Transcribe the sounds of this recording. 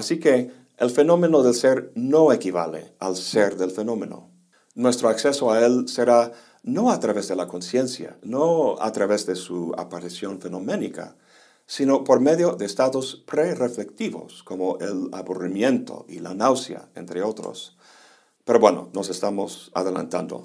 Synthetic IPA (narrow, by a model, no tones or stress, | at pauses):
asike | elfe̞no̞mẽ̞noðe̞lseɾno̞ekiβa̰lḛalseɾðelfe̞no̞mẽ̞no̞̰ | nwe̞st̪ɾoakse̞soaelseɾa | no̞at̪ɾaβezðelako̞nsje̞nsja̰noa̰t̪ɾaβe̞zðesua̰paɾisjo̞nfe̞nomẽ̞nika̰ | sinopo̞ɾme̞ðjoðeːst̪aðo̞spɾerefle̞k̚t̪iβo̞̰sko̞moʔela̰βurimjẽ̞nt̪ʰo̞̰ilanawsja̰ḛnt̪ɾeo̞t̪ɾo̰s | peɾoβweno̰no̞se̞st̪amo̞sa̰ðe̞la̰nt̪and̪o̰